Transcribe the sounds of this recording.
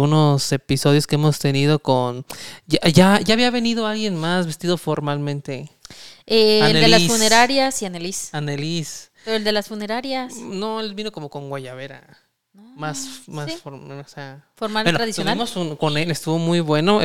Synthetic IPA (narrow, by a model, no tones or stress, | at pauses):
uno̞se̞piso̞ðjo̞skeemo̞st̪e̞niðo̞konʝaʝaʝaːβiaβe̞niðo̞alɣje̞nmazβe̞st̪iðo̞fo̞ɾmalmẽ̞nt̪e̞ | ealned̪ellaisfuneɾaɾjasianelisanelis | peɾold̪elasfuneɾaɾjasnoelβino̞ko̞mo̞ko̞ŋɡwaʝaβe̞ɾa̰ | nomasmassifoɾoseafoɾmaltnoɾaðisonaimosunko̞nelest̪uβo̞mujβwe̞no̞